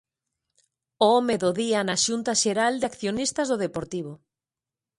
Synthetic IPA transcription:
oomeðoðianaʃunt̪aʃeɾald̪eakθjonist̪azðoð̞epoɾt̪iβ̞o

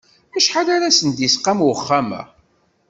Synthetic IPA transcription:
æʃħalaɾasənd̪jisqːamwəχːamæ̰

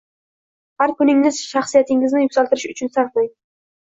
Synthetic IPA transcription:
haɾkʊnɪŋːɪz̥ʃaχsijat̪ʰɪŋɪznɪjʊkʲsalˠt̪ɪɾɪʃʊt͡ʃʰʊnsaɾqmaj̪

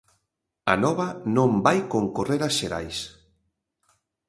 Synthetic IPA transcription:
a̰nɔβɐnõmbajkoŋkoreɾasʃeɾa̰js

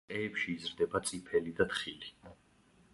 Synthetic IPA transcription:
ɛːpʃiːzɾd̪ɛbat̪sʼipʰɛlid̪at̪χili

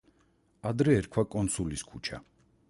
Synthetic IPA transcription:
ad̪ɾɛːɾkʰwakʼɔnt̪sʰuliskʰut͡ʃʰa̰

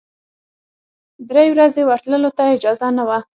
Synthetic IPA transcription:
d̪ɾejwɾazewəɾt̪ləlot̪aɪd͡ʒɑzanawa

